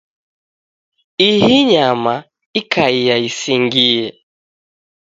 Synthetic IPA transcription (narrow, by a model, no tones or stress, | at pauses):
iɦiɲama | ikaijaisiŋɡijɛ